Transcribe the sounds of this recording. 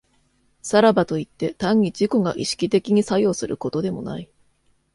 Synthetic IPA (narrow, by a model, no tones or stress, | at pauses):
saɾabat̪o̞it̪ːe̞t̪ãɲ̟ːid͡ʑiko̞ɡaʔiɕi̥kʲit̪e̞kʲiɲ̟isajo̞ːsɨɾɯ̟ko̞t̪o̞d̪e̞mo̞̰na̰i